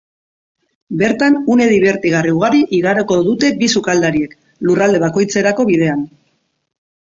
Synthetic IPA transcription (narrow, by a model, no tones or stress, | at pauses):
be̞ɾt̪anune̞ðiβe̞ɾt̪iɣ̞ariuɣaɾiʔiɣaɾoko̞ðut̪e̞bisukald̪aɾie̞k | lurald̪e̞β̞ako̞jt͡se̞ɾako̞βið̞e̞an